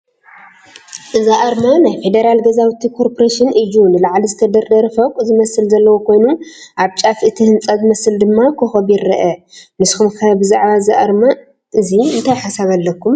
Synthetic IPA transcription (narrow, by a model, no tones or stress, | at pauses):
ʔɨzaʔɐɾmɐnajfe̞d̪ɐɾalɡɐzawt̪ʰikʰoɾpʰoɾaʃɨnʔɨjunɨlaʕlizɨt̪ʰɐd̪ɐɾd̪ɐɾɐfɐkʼzɨmɐsɨlzɐlːɐwokʰo̞jnu | ʔaβt͡ʃʼafʔɨt̪ʰihɨnt͡sʼɐzɨmɐsɨld̪ɨmːakʰoxɐbjɪɾːɐʔɐnɨsxumkʰɐbɨzaʕβazaʔɐɾmɐ | ʔɨziɨnt̪ʰajħasaβalːɐkːum